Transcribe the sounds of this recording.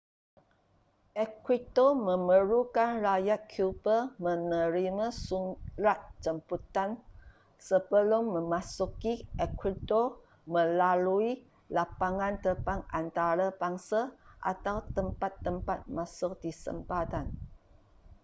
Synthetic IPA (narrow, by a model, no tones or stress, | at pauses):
ʔɛkwit̪omə̃məɾukanrajat̪̚kʰjubəmə̃nəɾimãsuŋlat̪̚t͡ʃəmput̪an | səbəlʊmːə̃mãsukiɛkwit̪o | mə̃lalui | lapaŋãnt̪əpaŋant̪aɾabaŋsaʔa̰t̪awt̪əmpat̪ːəmpat̪̚masʊk̚disə̰mpat̪an